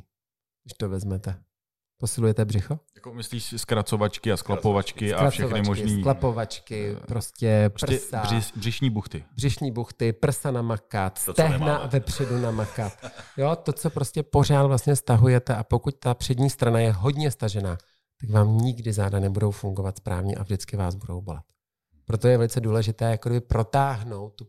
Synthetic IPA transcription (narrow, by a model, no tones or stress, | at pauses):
uʃt̪ovɛzmɛt̪ɛ | po̞sɪlujɛt̪ɛbrɪxo̞jakomɪsliːʃskɾat͡sovat͡ʃkɪasklapovat͡ʃkɪaɾafʃɛovxanɪmoʒɪniːklapo̞vat͡ʃkɪpɾo̞scɛpr̩ɛsaɪbrɪʃɲiːbuxt̪ɪbrɪʃɲiːbuxt̪ɪpr̩sanamakat̪sɛɦnavɛpr̝̥ɛdunamakat̪jo̞t̪o̞t͡so̞pɾo̞scɛpo̞r̝aːd̪vlast̪ɲɛst̪aɦujɛt̪ɛʔapo̞kuc̚t̪apr̝̥ɛdɲiːst̪ɾanajɛɦo̞dɲɛst̪aʒɛnaː | t̪akvaːmɲɪɡdɪzaːdanɛbudo̞wfuŋɡo̞vat̪spɾa̰ːvɲɛ̰ʔa̰vʒdɪt͡skɪvaːzbudo̞wbo̞̰lɛ̰t̪ | pɾo̞t̪o̞jɛvɛlɪt͡sɛduːlɛʒɪt̪ɛːjakoɡdɪbɪpɾo̞t̪aːɦno̞wt̪̚ːu